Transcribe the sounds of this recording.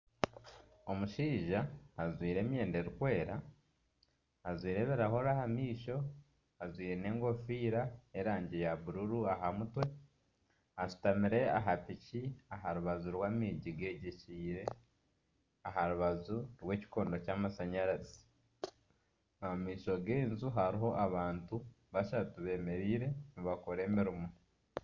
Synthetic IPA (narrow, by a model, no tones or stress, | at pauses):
o̞muʃiːʒaːzwiːɾe̞ːmje̞ːnde̞ɾikwe̞ːɾa | zwiːɾe̞βeɾaho̞ɾahamiːʃo̞ | azwiːɾe̞ne̞ːŋɡo̞fiːɾaeɾaːɲɟejaβuɾuɾuaɦamutwe̞ | aʃu̥tamiɾe̞a̰ɦapiciaɦaɾuβazuɾwaːmiɟiɡe̞ɟeciːɾe̞ | aɦaɾuβazuɾwe̞ːci̥ko̞ːndocaːmasaɲaɾazi̥ | aamiːʃo̞ɡeːnzuɦaɾiɦo̞ʔaβaːntu | βaʃatuβe̞ːme̞ɾiːɾe̞niβakoɾe̞ːmiɾumo